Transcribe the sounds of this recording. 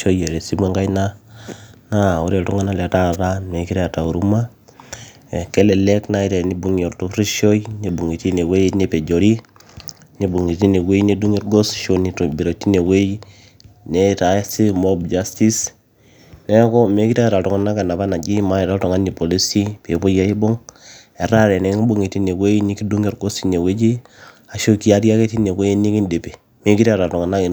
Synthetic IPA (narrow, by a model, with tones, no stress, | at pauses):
ʃo˦je˨ɾe˨si˦mwe˦ŋɡa˦jna˦ | na˦u˦ɾe˨tɔ˦ŋa˦na˦le˨ta˦ta˦me˨ki˦ɾa˨ta˨u˨ɾu˦ma˦ | e˨ke˦le˨le˦kna˦i˦ɾe˨ni˦bu˦ŋo˨ɾtu˦ɾi˦ʃo˦ine˨bu˨ŋi˨ti˦ne˨we˦ne˦pe˨d͡ʒo˨ɾi˦ | ɲe˦bu˨ŋi˨ti˦ne˨we˦jne˦du˦ŋe˦ɾɡo˦sʃo˨ni˨tbi˨ɾo˨tːi˦ne˨we˦i | ne˦ta˨˦si˦mo˦bd͡ʒa˦sti˦s | ne˦kɔ˦me˦ki˦ta˦ɾa˨tɔ˨ŋa˨na˦ka˨na˨βa˦na˨d͡ʒi˦ma˦e˨ɾa˦tɔ˨ŋa˦ni˨po˨li˦si˦pe˨po˦ja˦i˦bo˦ŋ | e˨ɾa˦ɾe˨ne˨ŋi˦bu˦˨ŋe˨ti˦ne˨we˦ji˦ni˦ki˦du˦ŋɡe˦ɾɡo˦si˦ne˨we˦d͡ʒi˦ | a˨ʃo˦ki˦a˦ɾja˦ke˦ti˦ne˨we˦ji˦ni˦ki˦nde˨pe˨ | me˦ki˦ɾa˦ɾa˨tɔ˨ŋa˨na˦˨